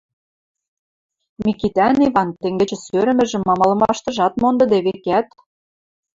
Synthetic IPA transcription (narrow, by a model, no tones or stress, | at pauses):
mikit̪æniβɑnt̪ĕŋɡɘ̆t͡ɕɘ̆søɾɘ̆mɘ̆ʒɘ̆mːɑmɑlɤ̆mɑʃt̪ɤ̆ʒɑt̪mond̪ɤ̆d̪eβekæt̪